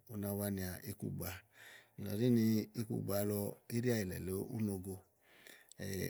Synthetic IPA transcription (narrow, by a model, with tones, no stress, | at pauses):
o˧na˧wa˧ni˧a˨ʔi˦kṵ˦˨ɡ͡ba˧i˨la˨di˦ni˧i˦kṵ˦˨ɡ͡ba˧lɔ˧i˦ɾi˦a˧˨i˨lɛ̰˨lo˨˦ṵ˦no˧ɡo˧ | ɛ̰˨